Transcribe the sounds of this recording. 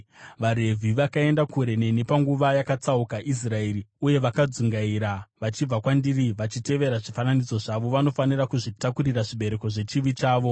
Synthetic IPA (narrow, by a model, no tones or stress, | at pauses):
ʋaɾe̞vʱiʋakae̞ndakuɾe̞nene̞paŋɡuʋajakat͡saukaʔis̬rae̞riuje̞ʋakad͡zuŋɡaiɾaʋat͡ʃib͡vakwandiriʋat͡ʃite̞ʋe̞ɾaʐifananid͡zo̞ʐaʋo̞ʋano̞fanirakuʐitakuɾiraʐiɓe̞ɾe̞ko̞ʐe̞t͡ʃiʋit͡ʃaːʋo̞